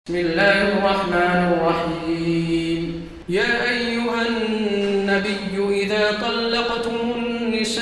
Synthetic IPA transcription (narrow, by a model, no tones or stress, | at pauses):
mɪlːaːhʔɪrˤːɑħmaːnɪrˤːɑħiːm | jaːʔajːʊɦanːabɪjːʊʔɪðaːt̪ˤɑlːɑqt̪ʊmhʊnːɪʃ